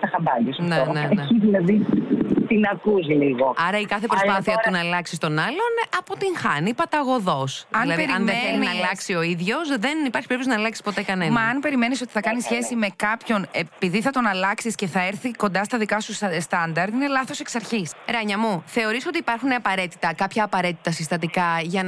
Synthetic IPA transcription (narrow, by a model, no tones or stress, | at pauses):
tɐxɐmbɐʎisɐnfeoneɐçizinɐðist̪inɐkuziliɣoɐɾɐikɐθepɾospɐθiɐt̪unɐːlɐksist̪o̞nɐlo̞nɐpot̪iŋxɐnipɐt̪ɐɣo̞ðo̞sɐlɐðɾɐnðeθelinɐlɐksio̞iðʝo̞sðenipɐɾçi̥pɾp̪toznɐːlɐksi̥spo̞t̪ekɐnenmɐɐnpe̞ɾime̞niso̞t̪i̥θɐkɐnisçe̞sime̞kɐpço̞ne̞piðiθɐt̪o̞nɐlɐksisce̞θɐeɾθiko̞nd̪ɐst̪ɐðikɐsusst̪ɐnd̪ɐɾd̪ine̞lɐθo̞se̞ksɐɾçisɾɐɲɐmuθe̞o̞ɾiso̞t̪iːpɐɾxuneɐpɐɾe̞t̪i̥t̪ɐkɐpçɐːpɐɾe̞t̪i̥t̪ɐsist̪ɐt̪ikɐʝɐ